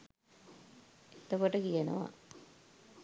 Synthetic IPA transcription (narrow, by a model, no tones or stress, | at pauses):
et̪okoʈəkijənə̰ʋa̰